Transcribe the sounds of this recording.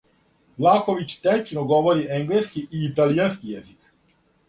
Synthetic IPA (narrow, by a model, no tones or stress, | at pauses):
laːxoʋit͡ʃt̪et͡ʃnoɡoʋoɾiʔeŋɡleskiʔiːt̪alijanskijɛzik